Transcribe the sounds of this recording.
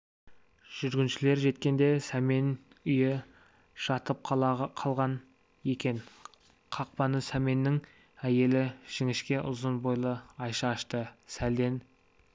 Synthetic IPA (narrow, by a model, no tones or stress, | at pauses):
ʒ̥ʏɾɡʲɪnʃɪle̞ɾʒe̞t̪kʲe̞nd̪e̞sæme̞n | ʏjɪ | ʃɑt̪əp̚qʰˠqʰɑlˠʁɑn | e̞kʲe̞n | qʰɑq̚pɑnəsæme̞nːɪŋ | æje̞lɪʒ̥ɪŋɪʃkʲe̞ʔʊzənbo̞jlˠəɑjʃɑɑʃt̪əsæld̪e̞n